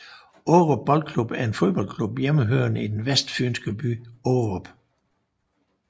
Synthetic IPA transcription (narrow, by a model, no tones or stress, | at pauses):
oʊʁɔb̥ɒ̽l̰d̥̚kʰlub̥æɐe̝nfo̝ðˠb̥ɒ̽l̰kʰlub̥jeməɦøɐnəid̥enʋesd̥fy̰ːnsɡ̥əb̥y̰ːoʊʁɔb̥